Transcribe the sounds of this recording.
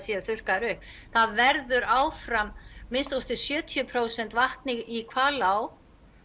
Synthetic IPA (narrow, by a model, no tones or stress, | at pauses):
sjɛðθʏr̥kaɾʏhp | θaðvɛɾðʏɾaːwfɾamːɪnst̪ost̪ɪsjœːt̪ʰiʏpʰɾoːwsɛnt̪vaht̪nɪɣikʰvaːlaw